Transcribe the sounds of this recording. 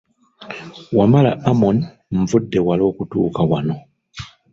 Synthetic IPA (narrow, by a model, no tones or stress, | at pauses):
wamala̰amon | ɱ̩vudːe̞walo̞ːkutuːkawano̞